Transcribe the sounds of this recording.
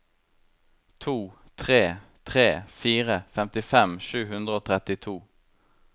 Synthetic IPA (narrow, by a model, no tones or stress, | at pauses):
t̪ʰuː | t̪ʰʁeːt̪ʰʁeːfiːʁəfɛmt̪ɪfɛmʃʉːhʉnd̪ʁəoːt̪ʰʁɛt̪ɪt̪ʰuː